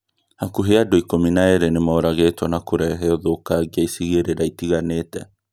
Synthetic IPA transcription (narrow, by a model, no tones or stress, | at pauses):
hakuɦeadoikominaeɾenemaoɾaɣetwɔnakoɾɛɦɛɔðokaɣiaisiɣeɾeɾaitiɣaneːtɛ